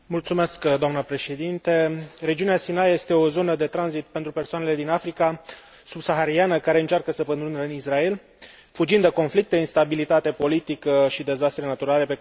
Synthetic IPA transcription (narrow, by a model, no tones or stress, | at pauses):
mult̪sume̞skd̪oamnəpɾe̞ʃe̞d̪int̪e̞ɾe̞d͡ʒiuneasinajje̞st̪e̞o̞zo̞nəd̪e̞t̪ɾanzit̪̚pe̞nt̪ɾupe̞rsoane̞le̞d̪inafɾika | subsaxaɾianəkaɾe̞ɨnt͡ʃarkəsəpənɾunəɨnisrae̞l | fud͡ʒind̪eko̞nflik̚t̪e̞inst̪abilit̪at̪e̞po̞lit̪ikəʃid̪e̞zast̪ɾe̞nat̪uɾale̞pe